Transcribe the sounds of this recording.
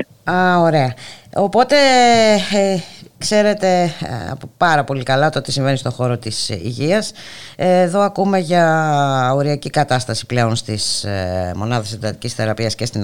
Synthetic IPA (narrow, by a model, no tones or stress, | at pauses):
ɐo̞ɾe̞ɐo̞po̞t̪e̞ | kse̞ɾe̞t̪e̞̰popɐɾɐpo̞likɐlɐt̪oot̪isiɱve̞nist̪o̞xo̞ɾo̞t̪isḭʝiɐs | eðo̞ɐkume̞ʝɐ | o̞ɾiɐcikɐt̪ɐst̪ɐsi̥ple̞o̞nst̪ismo̞̰nɐðɐsend̪ɐt̪icʲisθe̞ɾɐpiɐscest̪in